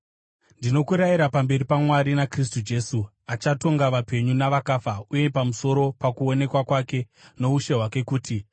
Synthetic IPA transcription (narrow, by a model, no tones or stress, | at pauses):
ndino̞kuɾajiɾapambe̞ripamwaɾinakris̬tud͡ʒe̞ːsu | at͡ʃato̞ŋɡaʋape̞ɲunaʋakafauje̞pamuso̞ɾo̞pakuone̞kwakwake̞ | no̞uʃe̞ɦwake̞kuːti